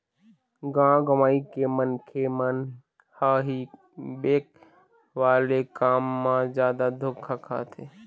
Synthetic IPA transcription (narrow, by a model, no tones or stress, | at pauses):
ɡãɡəmaːikemənkʰemən | haɦi | beːk̚ | ʋaːlekaːmːãzjaːd̪ad̪ʱʊkʰakʰa̰ːt̪ʰe